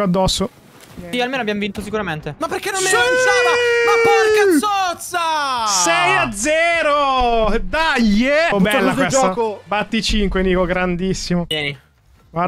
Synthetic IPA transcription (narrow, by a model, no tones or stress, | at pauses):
oad̪ːɔsːo | ialmeːnoabjamvint̪osikuɾament̪emapːerkenommesaamaɔkasot̪sasɛjad̪zːɛːɾod̪ajebɛlːakd̪oesd͡ʒɔakobat̪ːit͡ʃiŋkweniːkoɡɾand̪isːimojɛːni | a